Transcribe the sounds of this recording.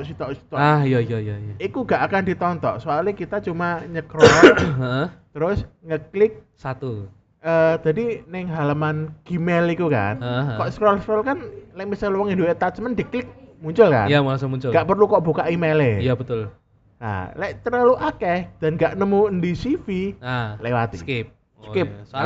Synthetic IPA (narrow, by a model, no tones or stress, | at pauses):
ʔsit̪ɔʔsi̥t̪ɔajajajajaikuɡaʔakandi̤t̪ɔnt̪ɔʔsoalikit̪at͡ʃumaɲəkɾɔəʔət̪əɾʊsŋəklɪk̚ | sat̪u | əd̪̥adinɪŋɦalamanɡ̥imɛlikuka̰nəʔəkɔʔskɾɔlskɾɔlkanlɛʔmisalwɔŋinduet̪at̪smənd̥̪iklɪk̚muɲt͡ʃʊlka̰njamasʊmuɲt͡ʃʊɡaʔpərlukɔʔb̥ukaʔimelejabət̪ʊl | na̰lɛʔt̪əɾaluʔakɛhd̥a̤nɡaʔnəmuəndisifialɛwat̪ḭskɪp̚ | skɪp̚